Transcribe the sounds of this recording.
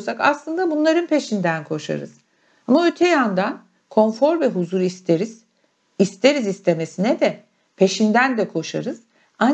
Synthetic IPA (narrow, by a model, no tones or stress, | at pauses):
saka̰slˠɯnd̪abunlˠaɾɯnpʰe̞ʃind̪ænkʰo̞ʃa̰ɾɯ̰z̥ | amaøt̪ʰejand̪an | kʰo̞nfo̞ɾvɛɦuzuɾist̪ʰeɾiz̥ | ist̪ʰe̞ɾizist̪ʰe̞me̞sinɛd̪ɛ | pʰe̞ʃind̪ænd̪ɛkʰo̞ʃa̰ɾɯz̥ | an